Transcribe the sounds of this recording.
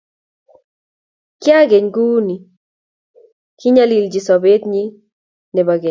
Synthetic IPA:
kɪ˦a˦ɡe˨ɲɡu˦ni˨ | kɪ˦ɲa˦li˨ld͡ʒi˨sɔ˨be˦t̪̚ɲi˦ | nɛ˨ba˨ɡe˨

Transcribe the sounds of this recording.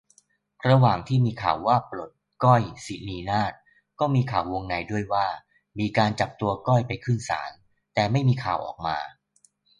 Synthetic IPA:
ɾa˧waː˨˩ŋt̪ʰiː˥˩miː˧kʰa̰ː˨˩wːaː˥˩plo˨˩t̪̚kɔ˥˩jsi˨˦niː˧naː˥˩t̪̚ | kɔː˥˩miː˧kʰaː˨˩wːo˧ŋna˧jdu˥˩əjwaː˥˩ | miː˧kaː˧nt͡ɕa˨˩p̚t̪u˧ɐkɔ˥˩jpa˧jkʰɯ˥˩nsa̰ː˩˦n | t̪ɛː˨˩ma˥˩jmiː˧kʰaː˨˩wʔɔ̰ː˨˩k̚maː˧

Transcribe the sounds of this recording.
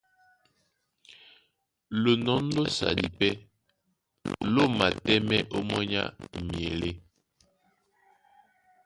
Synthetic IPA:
lo˨nɔ˨˦n̩˦do˦sa̰˨dḭ˨pɛ˦ | lo˦˨ma˨tɛ˦mɛ˦ʔo˦mɔ˦ɲa̰˦mje˨le˦

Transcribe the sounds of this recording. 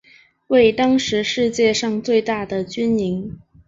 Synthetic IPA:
we˥˩ɪt̪ɑ˥ŋʂɻ̩˧˥ʂɻ̩˥˧t͡ɕjɛ˥˧ʂɑ˥˧ŋt͡swe˥˧ɪt̪a˥˩d̪ə˩t͡ɕy˥ni˧˥ŋ

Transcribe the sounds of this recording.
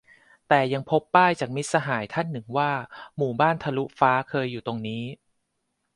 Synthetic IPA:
t̪ɛː˨˩ja˧ŋpʰo˦˥pːaː˥˩jt͡ɕaː˨˩k̚mi˦˥t̪̚sa˧ɦaː˩˦jt̪ʰa˥˩nːɯ˨˩ŋwaː˥˩muː˨˩baː˥˩nt̪ʰa˧lu˦˥faː˦˥kʰɤː˧jːuː˨˩t̪o˧ŋniː˦˥

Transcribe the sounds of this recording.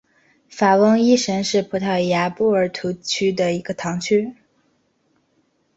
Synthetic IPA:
fa˨˩wɤ˥ŋi˥˩ʂə˧˥nʂɻ̩˥˩pʰu˧˥t̪ʰɑ˥˩ja˧˥pu˥˩ə˞˨˩˥t̪ʰu˧˥t͡ɕʰy˥d̪ə˨i˧˥ɡ̥ə˧t̪ʰɑ˧˥ŋt͡ɕʰy˥

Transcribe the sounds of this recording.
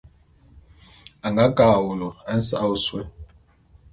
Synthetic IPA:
a˨ŋɡa˨˦ka˨wu˨lɔ˨ɛ˦n̩˦sa̰˦u˦swe˦

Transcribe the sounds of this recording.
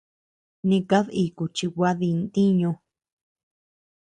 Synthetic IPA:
nĩ˧ka˦ði˧˨ku˨t͡ʃi˧wʷa˦ði˧nt̪i˦ɲũ˧

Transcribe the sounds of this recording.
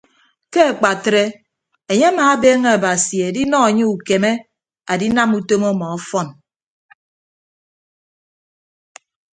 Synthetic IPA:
ke˦a˨k͡pa˨tɾe˦ | e˨ɲe˦a˦maː˨˦beː˦ŋe˦a˨ba˨si˨e˨di˦nɔ˦a˨ɲe˦u˨ke˨me˦ | a˨di˦na˦mu˦to˦mɔ˦mɔ˨ɔ˦fɔ˦n

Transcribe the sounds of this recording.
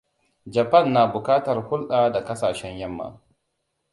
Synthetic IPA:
d͡ʒɐ˨pɐ˦˨nːaː˨bʊ˨kaː˦tɐ˨rhʊ˦lɗaː˨da˨kɐ˦saː˨ʃɛ˦ɲjɐ˦mːa̰˨

